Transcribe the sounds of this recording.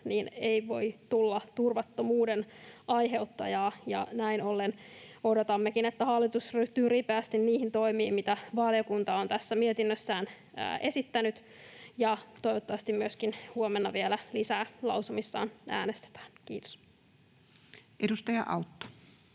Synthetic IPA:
niːneiʋo̞jt̪ulːɑt̪urʋɑt̪ːomuːdenɑjɦe̞ut̪ːɑ̰jɑːjɑ̰næinolːeno̞dot̪ɑmːekinet̪ːæhɑlːit̪usryt̪yːripæːst̪inniːhint̪o̞imiːmmit̪æʋɑljokunt̪ɑont̪æsːæmiet̪inːøsːæːn̰ː | ʔesit̪ːænyt̪ | jɑt̪o̞iʋot̪ːɑʋɑst̪immyøskinhuomenːɑʋielælisæːlɑ̰wsumisːɑ̰ːnʔæ̰ːnest̪e̥t̪æ̥ːnkḭːt̪o̥s | ʔedust̪ɑjɑ̰ʔɑ̰ut̪ːo̥

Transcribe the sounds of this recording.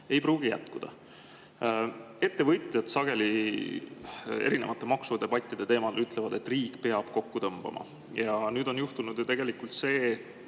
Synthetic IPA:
e̞jpɾuːɡijæ̰t̪kud̪̥ɑ̰ | e̞t̪ːe̞vɤt̪ˑjɑd̪sɑɡ̥e̞li | e̞̰ɾine̞̰vɑt̪ːˑemɑksud̪e̞b̥ɑt̪ʲːˑid̪̥e̞t̪e̞ːmɑd̪elyt̪ːˑle̞vɑd̪e̞t̪ːˑriːkːˑpe̞ɑb̥ko̞kːut̪ɤmb̥ɑ̰mʔɑ̰ | jɑnyːd̪o̞njuht̪unud̪̥jt̪e̞ɡ̥e̞likult̪se̞ː

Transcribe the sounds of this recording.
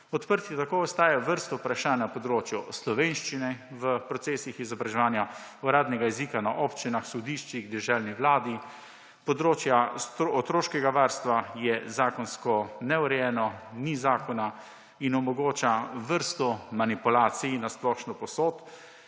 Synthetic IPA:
ɔt̪pəɾt̪iɛt̪akoːɔst̪aːjaʋəɾst̪ɔpɾaʃaːnnapɔd̪ɾoːt͡ʃjɔslɔʋenʃt͡ʃinɛʋəpɾɔt̪seːsixizɔbɾaʒɛʋaːnja | uɾaːd̪nɛɡaizikanaʔopt͡ʃinaxsɔd̪iʃt͡ʃiɣd̪ɛʒɛlniʋlaːd̪i | pɔd̪ɾoːt͡ʃjast̪ɔt̪ɾoːʃkɛɡaʋaːɾst̪ʋajɛzaːkɔnskɔnɛuɾɛjɛːnɔnizaːkɔna | inɔmɔɡoːt͡ʃaʋəɾst̪ɔmanipulaːt̪sijinasplɔːʃnɔpɔsoːt̪

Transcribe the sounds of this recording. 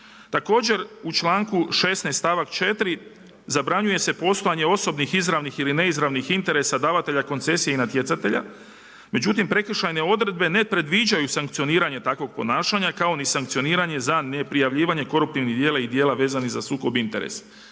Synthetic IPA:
t̪ako̞ːd͡ʑe̞ɾut͡ʃlˠaːŋkuʃe̞snest̪aːʋakt͡ʃe̞t̪ɾi | zabɾaɲuje̞se̞po̞st̪o̞jaɲe̞o̞so̞bnixizɾaʋnixiline̞izɾaʋnixint̪e̞ɾe̞sad̪aːʋat̪e̞ʎako̞nt̪se̞sijeinat̪je̞t̪sat̪e̞ʎa̰ | me̞d͡ʑut̪impɾe̞kr̩ʃajne̞o̞d̪ɾe̞d̪̚be̞ne̞pɾe̞d̪ʋid͡ʒajusaŋkt̪sio̞niːɾaɲet̪akʋo̞ɡ̚po̞naːʃaɲakao̞nisaŋk̚t̪sio̞niːɾaɲe̞zane̞pɾijaʋʎiːʋaɲe̞ko̞ɾup̚t̪iʋniɦd̪jeːlaid̪jeːlaʋe̞ːzanizasuːko̞bint̪e̞̰ɾḛs

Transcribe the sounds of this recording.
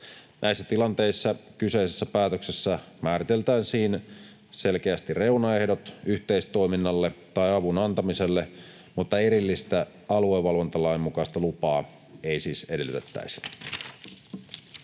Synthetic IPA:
nʔæisːæt̪ilɑnt̪e̞isːɑkyse̞isesːæpæːt̪øksesːæ | mæːɾit̪e̞lt̪æːnsiːn | selk̟eæst̪ire̞wnɑe̞hdot̪yht̪e̞ist̪o̞iminːɑlːet̪ɑjɑʋunɑnt̪ɑmise̞lːe | mut̪ːɑeɾilːist̪æ | ɑlueʋːɑlʋont̪ɑlɑjmːukɑist̪ɑlupɑː | e̞ijsiːse̞delyt̪et̪ːæ̰isi̥

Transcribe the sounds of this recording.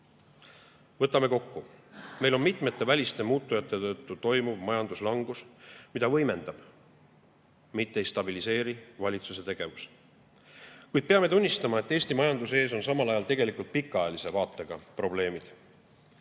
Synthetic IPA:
vɤt̪ːˑɑme̞ko̞kːume̞jlo̞nmit̪me̞t̪ːˑe̞vælʲist̪e̞muːt̪ːujɑt̪ːˑet̪ɤt̪ːut̪o̞jmuvmɑjɑnd̪̥uslɑŋɡ̥usmid̪ɑvɤ̞jme̞nd̪̥ɑb̥ | mit̪ːeejst̪ɑbilise̞ːɾivɑlʲit̪suse̞t̪e̞ɡ̥e̞vus | kujd̪̥̚peɑme̞t̪unʲːist̪ɑmɑe̞t̪ːˑe̞ːst̪imɑjɑnd̪use̞ːs̬o̞nsɑmɑlɑjɑlt̪e̞ɡe̞likult̪̚pikˑːɑjɑlise̞vɑːt̪ːˑe̞ɡ̥ɑpro̞ble̞ːmid̪̥

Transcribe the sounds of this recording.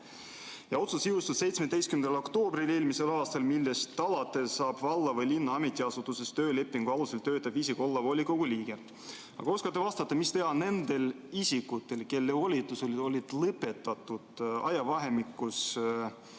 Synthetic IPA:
jɑo̞t̪susiust̪usse̞jt̪smed̪ejst̪kymend̪ɑlo̞kt̪o̞ːbrile̞ːlmise̞lɑːst̪ɑlmilːest̪ːɑlɑt̪ːˑe̞sɑːb̥vɑlːɑvɤjlinːɑɑmet̪ːˑiɑsut̪ˑuse̞st̪ø̞ːle̞pːˑiŋɡ̥uɑluse̞lt̪ø̞ːt̪ːˑɑbisiko̞lːɑvolʲːiko̞ɡ̥uliːɡ̥e̞ | ɑ̰ɡ̥ɑoskɑt̪ːevɑst̪ɑt̪ːˑɑmist̪e̞ɦɑne̞nd̪̥e̞l | isikut̪ːˑe̞lke̞lːeolʲit̪ːˑuso̞lʲi̥o̞lʲid̪̥lɤpːe̞t̪ːˑɑt̪ːˑud̪̥ɑ̰jɑvɑɦe̞mikːˑus

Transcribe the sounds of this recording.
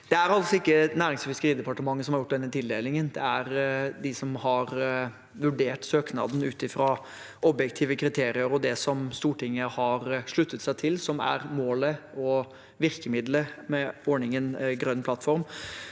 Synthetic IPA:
d̪̥ɛæɾɑlsɔɪkːənæːɾɪŋsfɪskəɾiːd̪əpɑʈəmɑŋːəsɔmhɑɾjʊʈːd̪ɛnːət̪ʰɪld̪eːlɪŋənd̪ɛæɾd̪ɪsɔmhɑɾ | ʋʉɖeːʈsøːknɑ̰ːd̪n̩ʉːt̪ɪfɾɑː | ʔɔbjɛkt̪ʰiːʋəkʰɾɪt̪ʰeːɾɪəɾɔd̪ɛsɔmst̪uːʈɪŋːəhɑɾʂɭʉt̪ːət̪sæɪt̪ʰɪlsɔmæ̰ɾmoːləɔ | ʋɪɾkəmɪd̪ləmɛɔɳɪŋənɡɾœnːpʰlɑt̪ːfɔɾm

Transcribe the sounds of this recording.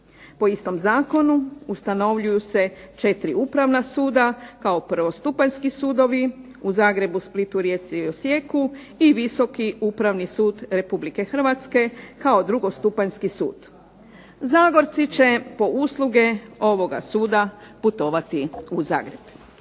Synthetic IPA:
po̞ist̪o̞mzaːko̞nuust̪ano̞ʋʎujuse̞t͡ʃe̞t̪ɾiupɾaʋnasuːd̪akaopr̩ʋost̪upaɲskisuːd̪o̞ʋi | uzaːɡɾe̞busplit̪uɾje̞t̪siosje̞ku | iʋiso̞kiupɾaʋnisuːd̪ɾe̞publike̞xr̩ʋat̪ske̞kao̞d̪ɾuɡo̞st̪upaʎskisṵːd̪̥ | zaːɡo̞ɾt̪sit͡ʃe̞po̞ʔuslˠuɡe̞o̞ʋo̞ɡa̰suːd̪aput̪o̞ːʋat̪iuza̰ːɡɾe̞b̥

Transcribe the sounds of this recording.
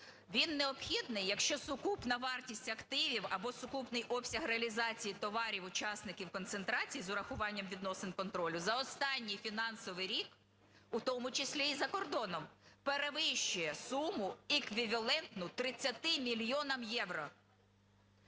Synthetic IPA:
ʋʲinːeɔpxʲid̪nɪjːɐkʃt͡ʃɔsʊkupnɐʋɑrtʲisʲtʲɐkt̪ɪʋʲiwɐbɔsʊkupnɪjʔɔpsʲɐɦɾeɐlʲizɑt͡sʲijit̪ɔʋɑɾʲiwʊt͡ʃɑsnɪkʲiwkɔnt̪sent̪ɾɑt͡sʲijizʊɾɐxʊʋɑnʲːɐmʋʲid̪nɔsɪnkɔnt̪ɾɔlʲʊzɐɔst̪ɑnʲːijfʲinɑnsɔʋɪɾʲik | ʊt̪ɔmʊt͡ʃɪsʲlʲiːzɐkɔrd̪ɔnɔmpeɾeʋɪʃt͡ʃʊjɛsumʊɪkʋʲiʋʲɐlˠɛnt̪nʊt̪ɾɪt͡sʲːɐt̪ɪmʲilʲjɔnɐmjɛʋɾɔ

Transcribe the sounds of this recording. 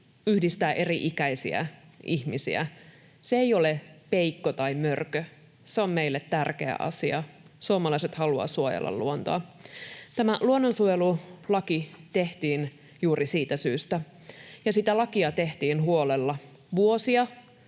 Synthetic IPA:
yhdist̪æːʔe̞riʔikæisḭæ̰ʔiçmisḭæ̰ | seejo̞lepe̞ikːot̪ɑimørkø | seomme̞ilːet̪ːærke̞̰æ̰ʔɑ̰siɑ | suomɑlɑiset̪hɑluɑ̰suojḛlːɑ̰lluont̪o̰ɑ | t̪æmæluonːonsuojelulɑkit̪e̞ht̪iːn | juːɾʔisiːt̪æsyːst̪æ | jɑsit̪ælɑkiɑt̪e̞ht̪iːnɦuolelːɑ | ʋuosiɑ

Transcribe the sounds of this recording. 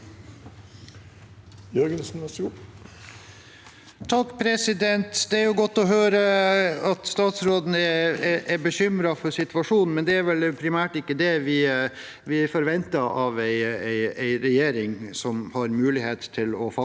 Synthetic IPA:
jœɾɡənsn̩ʋæsɡ | t̪ʰɑkːpʰɾɛsɪd̪ɛnt̪d̪ɛæɾjʊɡɔt̪ːɔɦøːɾəɑt̪st̪ɑːt̪sɾoːd̪n̩ɛʔæbəɕʏmɾɑfɔɾsɪt̪ʋɑʂuːnn̩mɛnd̪ɛæɾʋɛlpʰɾɪmæːʈɪkːəd̪ɛʋɪ | ʋɪæfɔɾʋɛnt̪ɑʔɑʋæɪæɪæɪɾɛjeːɾɪŋsɔmhɑɾmʉːlɪheːt̪t̪ʰɪlɔfɑ

